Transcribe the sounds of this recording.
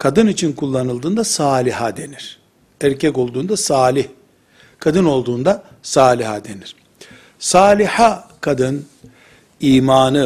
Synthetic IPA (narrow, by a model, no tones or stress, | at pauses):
kʰad̪ɯnit͡ʃʰinkʰulˠːanɯlˠd̪ɯːnd̪asaːlʲiɦad̪e̞niɾ̥ | æɾcʰɛco̞lˠd̪uːnd̪asaːlʲih | kʰad̪ɯno̞lˠd̪uːnd̪a | saːlʲihad̪e̞niɾ̥ | saːlʲihakʰad̪ɯn | iːmaːnɯ